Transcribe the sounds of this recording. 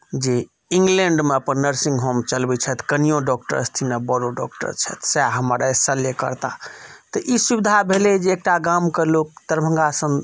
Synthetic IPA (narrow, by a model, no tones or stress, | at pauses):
d͡ʒe | ĩŋɡleɳɖmeəpənːəɾsĩŋɡɦomt͡ʃəlbɛt͡ʃʰɛt̪ʰkənijõɖɔkʈə̰ɾəst̪ʰinəbəɾoɖɔk̚ʈə̰ɾt͡ʃʰɛ̰t̪ʰsaɦəməɾesəljekə̰ɾt̪a̰t̪əʔisubid̪ʱabʱelɛd͡ʒeːk̚ʈaɡamkelok̚t̪əɾbʱə̃ŋɡasə̃n